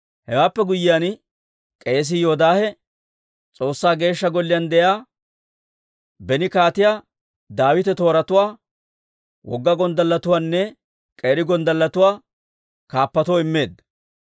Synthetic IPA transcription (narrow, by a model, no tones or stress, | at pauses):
hɛwaːpːɛɡʊjːɪjan | kʼe̞ːs̬ɪjo̞ːd̪aːhɛ | t͡sʼo̞ːsːaːɡe̞ːʃːɐɡɔlːɪjand̪ɛjaː | bɛnɪkaːt̪ɪjaː | d̪aːwɪt̪ɛt̪o̞ːɾɐt̪ʊwaː | wʔɔ̰ɡːɐɡɔnd̪ɐlːɐt̪ʊwaːnːɛ | kʼeːɾɪɡɔnd̪ɐlːɐt̪ʊwaː | kaːpːɐt̪ɔɪmːe̞ːd̪ːɐ